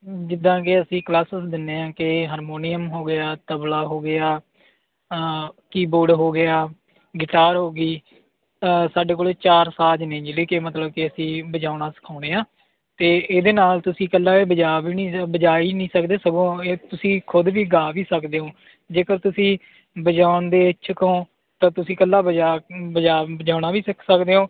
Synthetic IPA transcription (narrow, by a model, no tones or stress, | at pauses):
d͡ʒɪd̪ːãːkɪəsĩːklaːsəsd̪ɪnːeːãːkɪɦaːɾmoːnɪjəmɦoːɡɪaːt̪əblaːɦoːɡɪjaː | kiːboːɖɦoːɡɪjaː | ɡɪʈaːɾɦoːɡiː | saːɖeːk̬oːleːt͡ʃaːɾsaːd͡ʒnẽːd͡ʒeleːkeːmət̪ləb̚kɪəsĩːbəd͡ʒaːnaːsə̥kʰaːñeːãː | t̪eːd̪eːnaːlt̪ʊsĩːkəlːaːeːbəd͡ʒaːbiːnĩːbəd͡ʒaːiːnĩːsəkd̪eːsəɡõːeːt̪ʊsĩːkʰʊd̪ʋiːɡaːʋiːsəkd̪eːõː | d͡ʒeːkəɾt̪ʊsĩː | bəd͡ʒaːʊɳd̪eːt͡ʃʰəkõː | t̪ãːt̪ʊsĩːkəlːaːbəd͡ʒaːbəd͡ʒaːbəd͡ʒaːɳaːʋiːsəksəkd̪eːõː